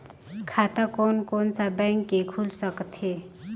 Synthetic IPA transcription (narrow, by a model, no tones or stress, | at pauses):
kʰat̪akonkont͡sabɛ̃ŋkekʰulsəkt̪ʰe